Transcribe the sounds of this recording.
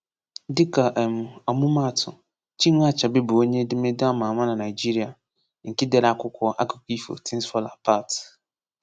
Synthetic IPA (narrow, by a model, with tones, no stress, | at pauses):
dɪ˦kʰa˨ʔɛ˨m˨ɔ˨mũ˦mã˦˨tʰʊ̰˨ | t͡ʃĩ˦ŋʷ˦a˦t͡ʃʰa˨bɪ˦bʊ˨o˦ɲẽ˦dɪ˦mẽ˦da˦mãː˨mã˦nã˨nã˨ɪ˨d͡ʒi˦ɾi˨a˨ | ŋ̩˨kɪ˦dɛ˦ɾa˨kʊ˦kʰɔ˦ʔa̰˦ku̥˨kʷi˦fo̰˨tʰĩ˦nsfɔ˦la˨pʰa˦˨t